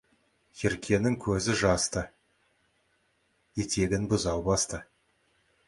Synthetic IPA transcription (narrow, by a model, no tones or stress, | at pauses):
jʰeɾkʲʰe̞nɪŋkʲʰɵzɪʒɑst̪ə | je̞t̪ʰe̞ɡʲɪnbʊzɑwbɑst̪ə